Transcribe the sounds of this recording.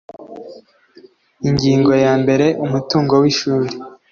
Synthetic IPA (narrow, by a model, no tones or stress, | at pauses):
iɲɟiːŋɡo̞jaːmbe̞ɾe̞ʔumutuːŋɡo̞wiʃuːɾe̥